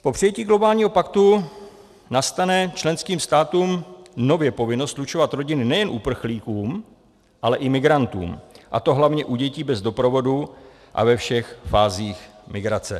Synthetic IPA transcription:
popr̥ɪjɛciːɡlo̞baːlɲiːɦo̞pakt̪u | nast̪anɛt͡ʃlɛnskiːmst̪aːt̪uːmno̞vjɛpo̞vɪno̞st̪lut͡ʃo̞vat̪ɾo̞ɟɪnɪnɛjɛnʔupr̩xliːkuːm | ʔalɛʔɪmɪɡɾant̪ṵːmʔa̰t̪o̞ɦlavɲɛʔuɟɛciːbɛzdo̞pɾo̞vo̞du | ʔa̰vɛfʃɛxfaːziːx | mɪɡɾat͡sɛ

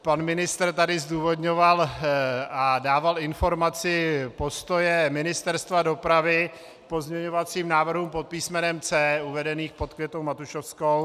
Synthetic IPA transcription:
panmɪnɪst̪rt̪adɪzduːvo̞d̪ɲo̞val | adaːvalɪnfo̞ɾmat͡sɪpo̞st̪o̞jɛmɪnɪst̪ɛɾst̪vado̞pɾavɪ | po̞zɲɛɲo̞vat͡siːmnaːvr̩ɦuːmpot̪̚piːsmɛnɛmt͡sɛːuvɛdɛniːxpo̞t̪kvjɛt̪owmat̪uʃofskow

